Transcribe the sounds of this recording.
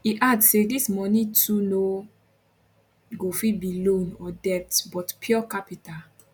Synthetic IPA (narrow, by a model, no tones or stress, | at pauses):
iʔadsedismɔnituno | ɡofibilõnɔdɛtbɔtpʰjɔkapita